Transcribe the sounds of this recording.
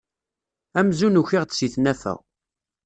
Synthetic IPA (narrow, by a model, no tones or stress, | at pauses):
æmzunuçiʁt͡s̪siθnæfæ̰ʁ